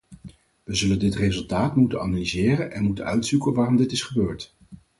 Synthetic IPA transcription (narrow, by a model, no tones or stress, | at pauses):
ʋəzɵləndɪtrezɵlˠtaːtmutənanalizɪːrənʔɛnmutənœɥtsukənʋaːrɔmdɪtɪsχəbøːɹt